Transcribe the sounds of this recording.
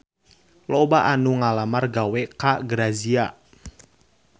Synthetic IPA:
lɔbaʔanuŋalamarɡawɛkaɡəɾazia

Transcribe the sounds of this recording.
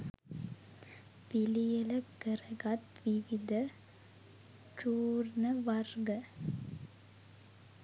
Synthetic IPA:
pilijɐlɐkəɾɐɡɐt̪ʋiʋid̪ɐ | t͡ʃuːɾnɐʋɐɾɡɐ

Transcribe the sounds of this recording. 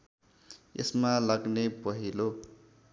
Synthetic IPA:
ḛsmalaɡnepʌɦilo

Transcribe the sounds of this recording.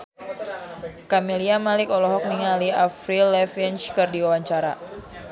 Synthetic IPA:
kamiliamalɪkɔlɔɦɔk̚niŋaliafɾilɛfinskərdiwawaɲt͡ʃaɾa̰

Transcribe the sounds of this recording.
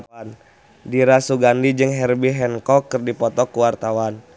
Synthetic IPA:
n | diɾasuɡandid͡ʒɨŋɦɛrbiɦɛnkɔkːɨrdipɔt̪ɔkuwart̪awan

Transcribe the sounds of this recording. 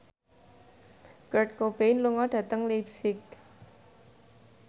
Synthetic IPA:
kərʈ̚kobejnluŋɔɖ̥ä̤t̪əŋlipsɪk̚

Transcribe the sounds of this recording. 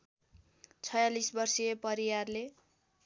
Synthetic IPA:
t͡sʰʌjalisbʌrsijepʌɾiwarle

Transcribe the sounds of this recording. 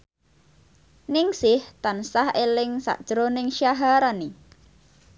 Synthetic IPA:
nɪŋsɪht̪ansahelɪŋsa̰ʔd̥ʒ̥ɾonɪŋʃjaɦaɾani

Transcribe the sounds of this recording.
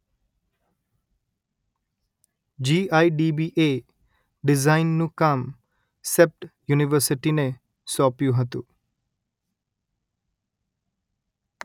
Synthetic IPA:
d͡ʒiːaːiɖiːbiːʔeː | ɖɪzaːɪnːũkam | sep̚ʈjuːnɪʋəɾsɪʈinẽ | sɔːpjuɦɐt̪uː

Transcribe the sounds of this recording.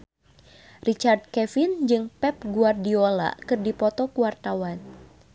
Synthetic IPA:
rit͡ʃard̪̚kɛfɪnd͡ʒɨŋpɛp̚ɡuardiola̰kɨrdipɔt̪ɔkuwart̪awan

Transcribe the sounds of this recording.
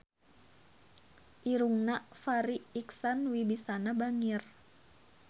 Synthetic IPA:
ʔiɾuŋnafaɾiːksanwibisanabaŋir

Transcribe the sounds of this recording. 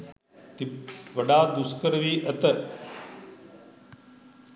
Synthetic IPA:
t̪iʋɐɖaːd̪uskəɾʋiːʔɐt̪ə

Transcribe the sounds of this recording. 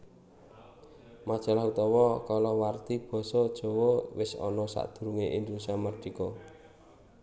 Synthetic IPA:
mad̥ʒ̥a̤laɦut̪ɔwɔkɔlɔwart̪ib̥ɔ̤sɔd̥ʒ̥ɔ̤wɔwɪsɔ̰nɔsa̰ʔd̪̥ṳɾuŋeʔind̪usamərd̥ikɔ

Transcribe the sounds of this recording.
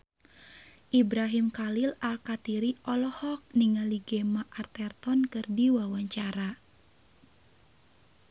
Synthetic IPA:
ʔibɾaɦimkalilalkat̪iɾiʔɔlɔhɔk̚niŋaliɡɛmaʔart̪ɛrt̪ɔnkɨrdiwawaɲt͡ʃaɾa

